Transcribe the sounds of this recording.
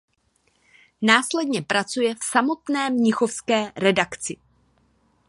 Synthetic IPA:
naːslɛdɲɛpɾat͡sujɛfsamo̞t̪nɛːmɲɪxo̞fskɛːɾɛdakt͡sɪ

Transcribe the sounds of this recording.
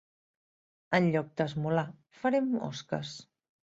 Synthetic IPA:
ənʎɔk̚d̪əzmula | fəɾɛmɔ̰skə̰s

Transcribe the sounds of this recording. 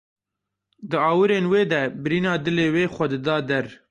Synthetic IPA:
d̪ɨɑːwɨɾeːnweːd̪ɛbɨɾiːnɑːd̪ɨleːweːxʷɐd̪ɨd̪ɑːd̪ɛɾ

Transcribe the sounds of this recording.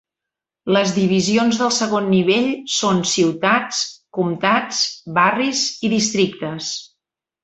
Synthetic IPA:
ləzðiβ̞izionzðəlˠsəɣonːiβ̞eʎsonsiwt̪at͡skumt̪at͡sbariziðist̪ɾikt̪əs

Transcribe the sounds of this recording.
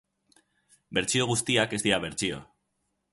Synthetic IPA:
be̞ɾt͡sio̞ɣ̞ust̪iake̞zd̪iaβ̞eɾt͡sio̰

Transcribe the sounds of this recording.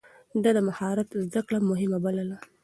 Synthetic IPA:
d̪ad̪əmahɑɾat̪zd̪akɽamʊɦɪmabaləla

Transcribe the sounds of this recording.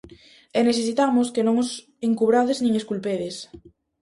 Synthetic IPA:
eneθesit̪amoskenõŋos | eŋkuβ̞ɾaðeznĩŋeskulpeðes

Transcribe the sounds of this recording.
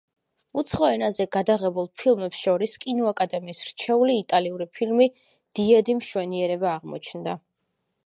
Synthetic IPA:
ut̪sʰχɔɛnazɛɡad̪aʁɛbulˠpʰilˠmɛpsʃɔɾiskʼinɔakʼad̪ɛmiːsɾt͡ʃʰɛuliːt̪ʼaliuɾipʰilmi | d̪̥iɛd̪imʃwɛniɛɾɛbaːʁmɔ̰t͡ʃʰnd̪a

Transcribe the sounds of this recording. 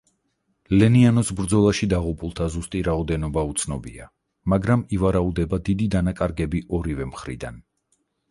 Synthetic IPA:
lɛnianɔsbɾd̪zɔlˠaʃid̪aʁupʼulˠt̪ʰazust̪ʼiɾaɔd̪ɛnɔbaut̪sʰnɔbia | maɡɾamivaɾaud̪ɛbad̪id̪id̪anakʼaɾɡɛbiʔɔɾivɛmχɾḭd̪a̰n

